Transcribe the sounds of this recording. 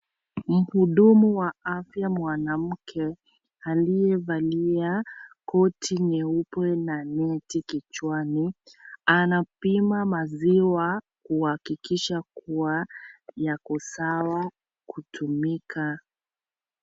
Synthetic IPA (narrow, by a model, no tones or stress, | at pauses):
m̩huɗumuwaafjamwanam̩kʰɛ | alijɛvaliakɔtʰinɛupwɛnanɛtikit͡ʃwanianapimamaziwa | kuhakikiʃakuwajakɔsawa | kutʰumikʰa